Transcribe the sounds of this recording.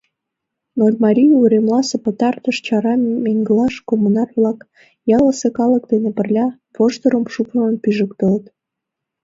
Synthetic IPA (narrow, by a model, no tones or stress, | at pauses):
nolʲmɑɾʲijuɾemlɑsepət̪ɑrt̪əʃt͡ɕɑɾɑmeŋɡəlɑʃkomunɑrβlɑk | jɑləsekɑləkd̪enepərlʲɑ | voʃt̪əɾəmʃupənpyʒəkt̪ələt̪